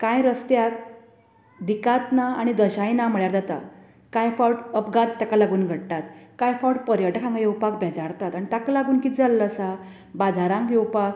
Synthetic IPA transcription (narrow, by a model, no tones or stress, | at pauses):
kãjɾəst̪jak̚ | d̪ikat̪naaɽ̃id̪əɕajnam̤əɭjaɾd͡zat̪a̰ | kãjfawʈəpɡat̪ːakalaɡuːnɡʱəɽt̪at̪kãjfawʈpəɾjəʈakʰãŋɡjewpakbʱɛd͡zaɾt̪at̪aɽ̃it̪akalaɡuːnkid͡zalːəsa | bad͡zʱaɾãŋkjewpak